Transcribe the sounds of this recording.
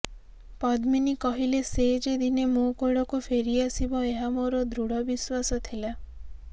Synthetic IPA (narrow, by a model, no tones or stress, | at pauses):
pɔd̪minikɔɦilesed͡ʒed̪inemokoɽɔkufʰeɾiasibɔeɦamoɾɔd̪ɾuɽɔbiswasɔt̪ʰila